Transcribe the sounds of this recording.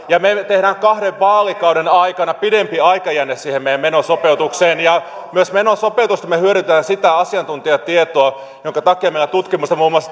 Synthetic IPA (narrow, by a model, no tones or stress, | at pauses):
jɑmet̪ehɾæːŋkɑhdeʋʋɑːlikɑwdenɑikɑnɑpidempiɑikɑjænːessiːhemejæmenosopeut̪ukseːnjɑ | myøsmenosopeut̪ust̪ɑmehyøɾyt̪æːnsit̪æɑsiɑnt̪unt̪iɑt̪iet̪oɑ | joŋkɑt̪ɑkːˑeɑmeilæt̪ut̪kimust̪ɑmuːmuɑs